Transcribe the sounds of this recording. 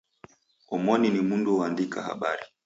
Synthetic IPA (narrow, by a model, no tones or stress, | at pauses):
ɔmɔninimunduwandikaha̰ɓaɾi